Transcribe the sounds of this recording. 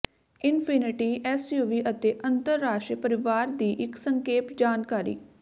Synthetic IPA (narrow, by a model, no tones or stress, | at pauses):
ɪnpʰɪnɪʈiːʔɛːsjuːʋiːʔət̪eːʔənt̪əɾːaːʃʈɾpəɾɪʋaːɾd̪iːʔɪksəŋkeːpd͡ʒaːnkaːɾḭː